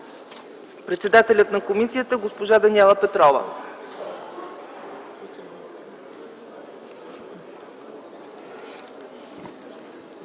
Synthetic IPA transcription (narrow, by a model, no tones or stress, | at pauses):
pɾɛt̪sɛd̪at̪ɛlʲət̪nɐkomisiət̪əɡospoʒad̪ɐniɛlˠəpɛt̪ɾɔvə̰